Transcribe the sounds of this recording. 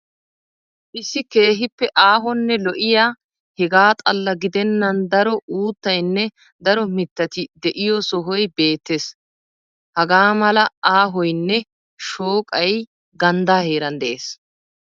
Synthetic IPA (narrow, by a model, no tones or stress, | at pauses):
ʔɪsːɪke̞ːɦɪpːɛʔaːɦɔnːɛlɔʔɪjaː | hɛɡaːt̪ʼɐlːɐɡɪd̪ɛnːɐnd̪ɐɾɔuːt̪ːɐjnːɛ | d̪ɐɾɔmɪt̪ːɐt̪ɪd̪ɛʔɪjɔsɔɦɔjbe̞ːt̪ːeːs | hɐɡaːmɐlɐaːɦɔjnːɛ | ʃoːkʼɐj | ɡɐnd̪aːhe̞ːɾɐnd̪ɛʔeːs